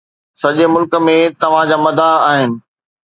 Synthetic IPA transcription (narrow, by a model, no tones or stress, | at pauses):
sɐʄemʊlkə̆mẽt̪ɐʋ̤ãd͡ʑaːmɐd̪ʱaaːɦɪnɪ̆